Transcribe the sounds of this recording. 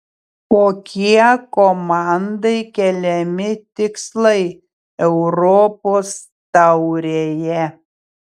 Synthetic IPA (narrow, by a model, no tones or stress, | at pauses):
koːkʲiɛkɔmɑˑnd̪ɐɪkʲɛlʲɛmʲɪt̪ʲɪkslˠɐɪ | ɛʊɾɔpoːs | t̪ɐʊɾʲeːjɛ